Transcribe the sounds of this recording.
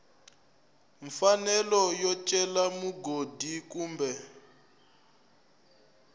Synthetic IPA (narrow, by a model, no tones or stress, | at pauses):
ɱfanɛlɔjɔt͡ʃʼɛlamuɡodʱikuːmbɛ